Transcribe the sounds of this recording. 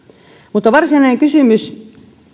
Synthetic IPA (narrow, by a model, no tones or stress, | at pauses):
mut̪ːɑʋɑrsinɑeŋkysymys